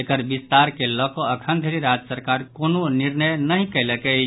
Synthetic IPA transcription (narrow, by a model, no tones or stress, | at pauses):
ekəɾbist̪aɾkelɔkoəkʰənd̪ʱeɾiɾad͡ʒəsəɾkaɾkononiɾnəjnəɦĩkəɪləkɛ